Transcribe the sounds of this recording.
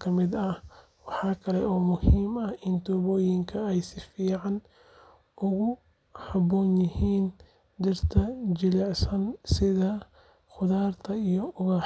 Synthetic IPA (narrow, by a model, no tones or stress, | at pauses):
kʰɐmɪd̪ɐ | wɑħɑːkʰɐlɛʔɔːmʊhiːmɐhɪnt̪ʰɔːβɔːjɪŋkʰɐɛjsɪfiːʕɑn | ʔʊɣʊ | hɑbɔːnjɪhiːn | dɪrt̪ʰɐd͡ʒɪlɛʕsɐnsɪðɐ | xʊðaːrt̪ʰɐijɔʔʊɣɐ